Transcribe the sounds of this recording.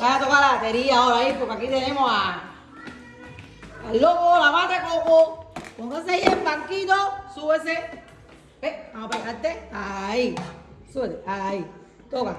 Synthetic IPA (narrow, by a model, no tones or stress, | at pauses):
kajat̪okalat̪eɾiaoɾaipokːakit̪enemoa | alːokolamat̪ekokopoŋkaseijebaŋkit̪osues̬e | peamapaikat̪ːeaisuet̪eai | t̪oka